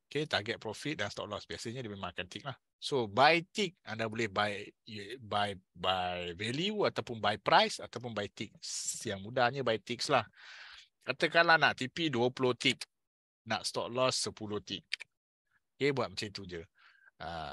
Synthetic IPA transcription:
oket̪aɡɛt̪̚pɾɔfit̪̚danst̪ɔ̰k̚lɔsbiasəɲədimemãŋkant̪ik̚lah | sobajt̪ik̚andabolɛhbaj | bajbajvɛliuat̪awpʊnbajpɾajsat̪awpʊnbajt̪ik̚sjaŋmudahɲəbajt̪ik̚slah | kat̪əkalanaʔt̪ipiduəpuloht̪ik | na̰ʔst̪ɔ̰k̚lɔsːəpuloht̪ik̚ | okebuwat̚mət͡ʃait̪ud͡ʒə | ʔa̰

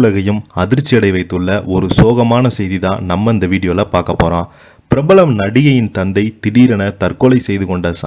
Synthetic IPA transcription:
lɐɣɐjɯmɐðɪɾt͡ʃːɪjɐɽɐɪʋɐɪt̪ːɯɭːɐʔɔɾɯsoːɣɐmaːnɐsɛjðiðãːnɐmːɐɪnd̪ɐʋiːɽɪjoːlɐpaːɾkɐpːoːɾãː | pɪɾɐbɐlɐmnɐɽɪjɐjɪnt̪ɐnd̪ɐɪt̪ɪɽiːɾɐnɐt̪ɐrkɔɭɐɪsɛjðɯkɔɳɖɐsa̰

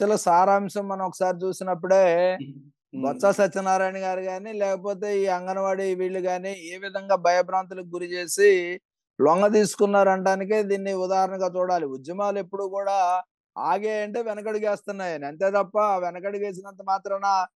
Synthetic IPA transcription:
ɐlɐsaːɾaːmʂɐmːɐnɐmɔkːɐ̥saːɾit͡ʃuːsinɐpːuɽe̞ː | ɡɐsaːsɐt͡ʃːɐnaːɾaːjniɡaːɾiɡaːnilɛːkɐp̬o̞ːt̪e̞ːiːɐŋɡɐnɐʋaːɽiʋiːɭːuɡaːnieːʋid̪ʱɐŋɡaːbʱɐjɐbɾaːnt̪̬ulɐk̚ɡuɾit͡ʃe̞ːsi | lɔŋɡɐt̪̬iːsu̥kunːaːɾɐɳɖaːnik̬id̪iːnːiud̪aːɦɐɾɐɳɐŋɡaːt͡ʃuːɽaːliud͡ʒ̪jɐmaːlue̞pːuɽukuːɽaː | aːɡeːjɐɳʈeːʋɛnɐk̬ɐɽiɡeːst̪unːaːjaːniɐnt̪e̞ːt̪ɐpːɐʋɛnɐkɐɽiɡeːs̬inɐnt̪ɐmaːt̪ɾɐnɐ

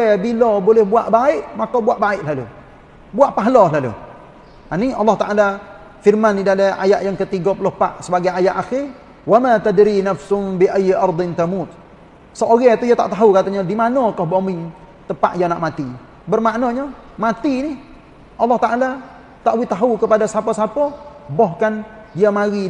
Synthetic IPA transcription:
ɛbilɔbolɛhbuaʔbaɪʔmakobuaʔbaɪʔlalṵ | buaʔpaɦlɔlalṵ | aniɑlːɑht̪aʔala | firmanidalaa̰jaʔjaŋkət̪iɡɔplɔhpa̰ʔsəbaɡajajaʔaxɪr | wamat̪adɾinafsʊmbiʔajːʔɑɾd̪ˤɪnt̪amut̪̚ | səoɣɛt̪ujat̪aʔt̪aɦukat̪aɲadimanɔkɔhbomɪŋ | t̪əpa̰ʔjanaʔmat̪i | bərmaʔnɔɲɔ | mat̪inɪ | ʔɑlːɑht̪aʔala | t̪aʔwit̪aɦukəpadasapɔsapɔbɔhkandiamaɣi

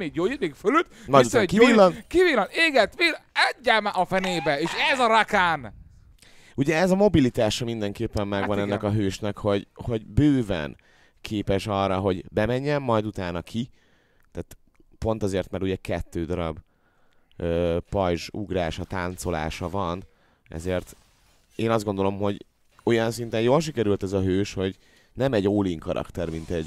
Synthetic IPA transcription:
eːɡjoːjit̪meːkfølyt̪mɒjd̪ukiiːlːɒnkiviːlɒneːɡɛt̪ʋilɛɟːɛmʔɒfɛneːbɛeːʃɛzɒɾakaːn | uɟɛɛzɒmo̞bilit̪aːʃɒmind̪ɛŋkeːpːɛmːɛɡvɒnɛnːɛkɒɦøːʃnɛkho̞ɟho̞ɟbøːvɛ̰n | kʰeːpɛʃɒrːɒɦo̞ɟbɛmɛɲːɛmːɒjd̪ut̪aːnɒkʰi | t̪aːt̪ | po̞nt̪ɒzeːrt̪mɛɾuɟɛkɛt̪ːøːd̪ɒɾɒb | øːpɒjʒṵɡɾaːʃɒt̪aːnt̪so̞la̰ːʃɒvɒn | ɛ̰zeːrt̪ | eːnɒzd̪ɡo̞nd̪o̞lo̞mɦo̞ɟ | o̞jɒnsint̪ɛnjoːlʃ̬ikɛɾylt̪ɛzɒɦøːʃho̞ɟ | nɛmɛɟoːliŋkɒɾʔɒ̰kt̪ɛrmint̪ɛɟ

